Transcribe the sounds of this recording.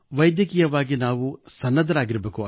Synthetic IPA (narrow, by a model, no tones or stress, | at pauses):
ʋɐjd̪jɐkiːjɐʋaːɡinaːʋusɐnːɐd̪ʱɐɾaːɡiɾɐbeːkuɐ